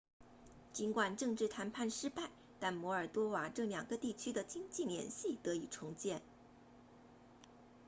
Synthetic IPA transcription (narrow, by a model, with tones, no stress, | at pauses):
t͡ɕi˧˥nkwa˨˩nʈ͡ʂɤ˥˧ŋʈ͡ʂɻ̩˥˩t̪ʰa˧˥npʰa˥˩nʂɻ̩˥pa˥˩ɪ | t̪a˥˩nmwɔ˧˥ə˞˨˩t̪wɔ˥wa˨˩ʈ͡ʂɤ˥˩ljɑ˨˩ŋɡə˧˦t̪i˥˩t͡ɕʰy˥d̪ə˨t͡ɕi˥ŋt͡ɕi˥˩ljɛ̰˧˥nɕi˥˩t̪ɤ˧˥i˨˩ʈ͡ʂʰʊ˧˥ŋt͡ɕjɛ˥˩n